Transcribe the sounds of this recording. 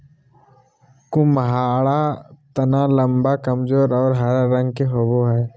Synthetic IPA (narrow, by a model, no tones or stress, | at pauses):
kʊmɦaːɭat̪ɐnaːlə̃mbakɐmzoːɾɔːɾɦəɾːə̃ŋɡ̚keɦoːboɦɛː